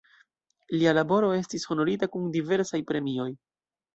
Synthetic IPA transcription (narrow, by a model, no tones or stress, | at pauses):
lialabo̞ɾo̞e̞stisho̞no̞ɾitakundive̞ɾsajpɾe̞mio̞j